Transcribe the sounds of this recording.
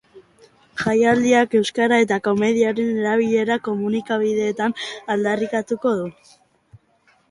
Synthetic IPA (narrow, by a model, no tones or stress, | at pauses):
ʝajald̪iake̞wskaɾae̞t̪ako̞me̞ðiaɾe̞ne̞ɾaβiʎe̞ɾako̞munikaβ̞iðe̞ːt̪anald̪arikat̪uko̞ðu